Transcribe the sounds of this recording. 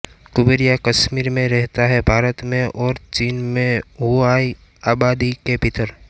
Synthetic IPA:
kʊbeɾijakəʃmiːɾmẽɾɛɦt̪aɦɛbʱaːɾət̪mẽʔɔːɾt͡ʃiːnmẽuaːi | aːbaːd̪ikebʱɪt̪əɾ

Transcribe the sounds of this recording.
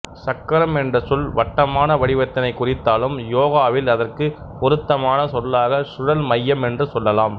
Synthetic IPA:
sɐkːɐɾɐmɛndrɐsʊlʋɐʈːɐmaːnɐʋɐɽɪʋɐt̪ːɐnɐɪkːʊrɪt̪ːaːlɯmjoːɣaːʋɪlɐðɐrkɯ | pɔɾɯt̪ːɐmaːnɐsɔlːaːɣɐsʊɽɐlmɐjːɐmɛndrɯsɔlːɐlaːm

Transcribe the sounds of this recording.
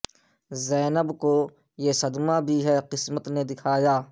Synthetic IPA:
zɛːnəbko | jesɐd̪mabʱiɦɛqɪsmət̪ned̪ɪkʰaːjaː

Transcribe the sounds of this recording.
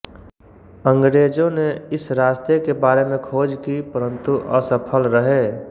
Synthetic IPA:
ə̃ŋɡɾeːd͡ʒõneɪsɾaːst̪ekebaːɾemẽkʰoːd͡ʒkipəɾə̃nt̪uʔəsəpʰəlɾəɦeː

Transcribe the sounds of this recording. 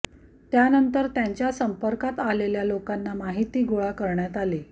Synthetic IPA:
t̪janənt̪əɾt̪jaɲt͡ɕjasəmpəɾkat̪aleljalokanːamaɦit̪iːɡoɭakəɾɳjat̪ale

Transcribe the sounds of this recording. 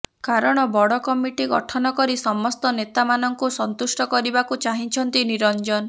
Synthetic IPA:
kaɾɔɽ̃ɔbɔɽɔkɔmiʈiɡɔ̰ʈʰɔnɔkɔɾisɔmɔst̪ɔnet̪amanɔŋkusɔnt̪usʈɔkɔɾibakut͡ʃaɦit͡ʃʰɔnt̪iniɾɔnd͡ʒɔn

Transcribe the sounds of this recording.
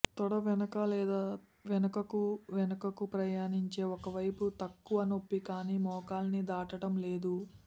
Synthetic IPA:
t̪ɔɽɐʋɛnɐkɐlɛːd̪aː | ʋɛnɐkɐkuʋɛnɐkɐkupɾɐjaːniɲt͡ʃe̞ːɔkɐʋɐjput̪ɐkːuʋɐno̞pːikaːniːmɔːkaːlɐnid̪aːʈɐʈɐmle̞ːd̪u

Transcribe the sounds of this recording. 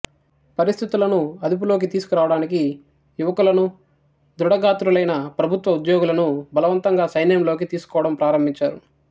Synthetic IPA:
pɐɾist̪ʰit̪ulɐnuɐd̪up̬uloːk̬it̪iːsu̥kuɾaːʋɐɽaːniki | juʋɐkulɐnu | d̪ɾuɽɐɡaːt̪ɾulɐjnɐpɾɐbʱut̪ʋɐud̪joːɡulɐnubɐlɐʋɐnt̪ɐŋɡaːsɐjnjɐmlo̞ːkit̪iːsu̥kɔːʋɐɽɐmpɾaːɾɐmbʱiɲt͡ʃaːɾu

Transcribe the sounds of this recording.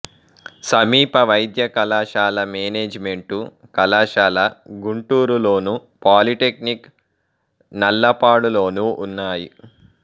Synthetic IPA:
sɐmiːpɐʋɐjd̪jɐkɐlaːʃaːlɐmeːneːd͡ʒme̞ɳʈukɐlaːʂaːlɐɡuɳʈuːɾulo̞ːnu | paːliʈek̚nik | nɐlːɐpaːɽulo̞ːnuʔunːaːji

